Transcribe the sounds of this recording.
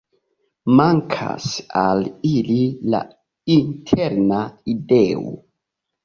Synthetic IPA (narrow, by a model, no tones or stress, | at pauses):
maŋkʰa̰salilila̰ | intʰeɾnaideo̰